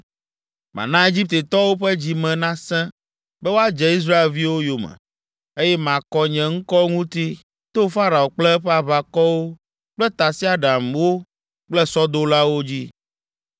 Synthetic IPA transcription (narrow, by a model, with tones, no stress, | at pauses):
mã̰˨nã˦e˦d͡ʑi˦p̚t̪e˨t̪ɔ˦wo˦ɸɛ˦d͡ʑi˨mɛ̃˨nã˦sɛ̃˦ | bɛ˦wo˦a˦d͡ʒɛ˨i˦s̬ɾa˦e˨lvi˦wo˦jo˨mɛ̰̃˨ | e˦jɛ˦mã˨kɔ˦ɲɛ̃˨ŋ̩˦kɔ˦ŋũ˦t̪i˦ | t̪o˦fa˦ɾa˨o˨k͡plɛ˦ɸɛ˦a˨βa˨kɔ˦wo˦ | k͡plɛ˦t̪a˨si˦a˨ɖa˨mwo˦ | k͡plɛ˦sɔ˦d̪o˦la˦wo˦d͡ʑi˦